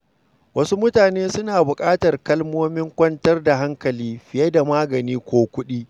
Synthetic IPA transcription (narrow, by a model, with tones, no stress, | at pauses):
wɐ˦su˦mʊ˦taː˨neː˦sʊ˦naː˨bʊ˨kʼaː˦tɐ˨rkɐ˦lmoː˦mɪ˦ŋkʷɐ˦ntɐ˦rda˨ɦa˦ŋkɐ˨liː˦ɸɪ˨jɐ˦da˨maː˦ɡɐ˨niː˦kʷoː˦kʷʊ˦ɗiː˦